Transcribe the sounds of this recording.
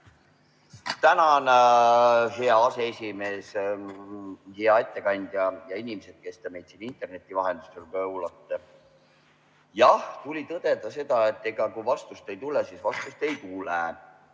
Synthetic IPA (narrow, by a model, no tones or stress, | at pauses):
t̪ænɑn | ɦe̞ɑɑse̞esʲime̞ːs | heɑet̪ːekɑnʲd̪̥jɑjɑinʲimese̞d̪̚ke̞st̪ɑme̞jd̪t̪sinint̪ːˑe̞rne̞t̪ːˑivɑɦend̪̥ɑ̥stːelkɑɤwlɑt̪ːe | jɑht̪ulʲit̪ɤd̪̥e̞d̪ɑse̞d̪̥ɑe̞t̪ːˑe̞ɡ̥ɑkuvɑst̪ust̪e̞jt̪ulesisvɑst̪ust̪e̞jt̪ulɛ